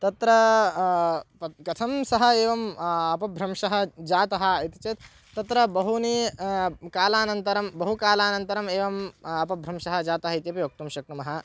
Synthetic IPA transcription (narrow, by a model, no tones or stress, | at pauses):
t̪ɐt̪ɾɐ | pɐkɐt̪ʰɐmsɐɦɐeːʋɐmɐpɐbʱɾɐmʂɐɦɐd͡ʒaːt̪ɐɦɐ̆it̪it͡ʃɐt̪ | t̪ːɐt̪ɾɐbɐɦuni | kaːlaːnɐnt̪ɐɾɐmbɐɦukaːlaːnɐnt̪ɐɾɐmeːʋɐmɐpɐbʱɾɐmʂɐɦɐ̆d͡ʒaːt̪ɐɦɐit̪jɐpijoːk̚t̪umʃɐk̚ɾɐmɐɦɐ̆